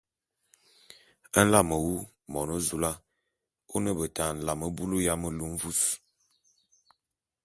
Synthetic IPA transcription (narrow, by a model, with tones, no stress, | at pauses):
ə˦n̩˦la˦˨mə˨wu˦ | mɔ˨no˦zu˨la˦ | o˦nə˦bə˨ta˨n̩˨la˨mə˦bu˦lu˦ja˦mə˦lu˨ɱ˦vu˦s